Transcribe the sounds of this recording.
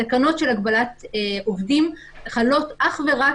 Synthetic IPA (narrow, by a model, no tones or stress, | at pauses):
akano̞tʃe̞lakbalatovdim | χalo̞tʔaχve̞ʁa